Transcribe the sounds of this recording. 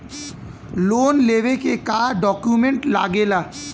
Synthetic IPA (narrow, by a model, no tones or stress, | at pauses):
lonlebekekaɖɔkjumeɳʈla̰ɡela